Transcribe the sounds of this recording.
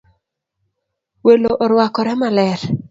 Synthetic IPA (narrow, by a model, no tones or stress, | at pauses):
weloʔɔɾwakɔɾɛmalɛɾ